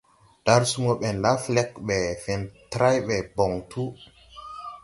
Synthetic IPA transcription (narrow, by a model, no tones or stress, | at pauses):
d̥aɾsumɔɓɛnlaflɛkɓɛfɛntɾajɓɛbɔŋtʰu